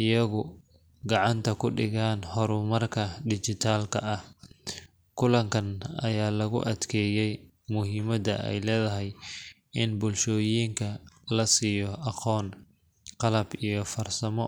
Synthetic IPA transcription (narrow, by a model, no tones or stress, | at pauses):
ʔɪjɐɣʊ | ɡɑʕɑnt̪ʰɐkʰʊɖɪɣaːnhɔɾʊmɐrkʰɐɖɪt͡ʃɪt̪ʰaːlkʰɐɐh | kʰʊlɐŋkʰɐnɐ̰jaːlɐɣʊ̰ʔɐd̪kʰɛːjɛj | mʊɦiːmɐd̪ɐ̰ʔɛ̰jlɛːðɐɦɛj | ɪnbʊlʃɔːjiːŋkʰɐlɐsijɔʔɑqʰɔːn | qɑlɐbijɞfɐrsɐmɔ